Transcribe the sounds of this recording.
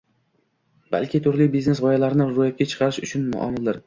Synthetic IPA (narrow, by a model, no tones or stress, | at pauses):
ba̰lkʲɪt̪ʰʊɾlɪjbiznesʁɒjalaɾɪnɪɾʊjat̪̚kʲat͡ʃʰɨ̥qʰɑɾɪʃʊt͡ʃʰʊnmʊ̰ʔɒ̰mɪld̪ɪɾ